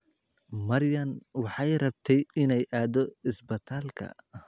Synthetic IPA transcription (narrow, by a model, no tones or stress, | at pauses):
mɐɾjɐnwɑħɑjrɐbt̪ʰɛjɪnɛjʔaːd̪ɔɪsbɐt̪ʰaːlkʰɐ̰